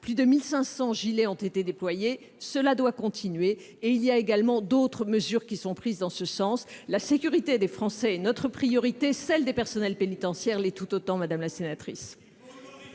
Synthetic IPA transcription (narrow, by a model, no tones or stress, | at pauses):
plyd̪əmilsɛ̃sɑ̃ʒileɔ̃t̪et̪ed̪eplwaje | səlad̪wakɔ̃t̪ʰinɥeː | ilijaeɡalmɑ̃d̪ot̪χəməzyʁkʲisɔ̃pχizd̪ɑ̃səsɑ̃slasekʲyʁit̪ed̪efχɑ̃sɛɛnɔt̪χəpχijɔʁit̪esɛld̪epɛʁsɔnɛlpenit̪ɑ̃sjɛʁlet̪ut̪ot̪ɑ̃mad̪amlasenat̪χḭs